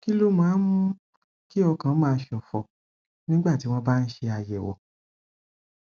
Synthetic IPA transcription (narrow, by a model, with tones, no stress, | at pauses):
ki˦lo˦mãː˨˦mũ˦ | ki˦ɔ˧kã˧˦mãː˧˦ʃɔ˨fɔ˨ | nĩ˦ɡ͡ba˦˨ti˦w̃ɔ̃˧ba˦˧n̩˦ʃe˧a˧jɛ˨wɔ̰˨